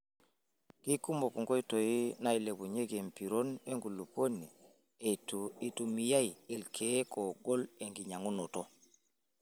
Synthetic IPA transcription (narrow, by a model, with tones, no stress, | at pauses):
ki˦ku˦mo˨ku˨ŋɡo˦i˦to˨ji˦na˦˨jle˨bu˨ɲe˦ɡe˨mpi˨ɾo˦ne˦ŋɡu˨lu˨po˦nːi˨ | ti˨tu˨mi˨ja˦i˨i˨lkʰe˦ko˨ɡo˦le˨ŋɡi˨ɲa˨ŋu˦no˨to˦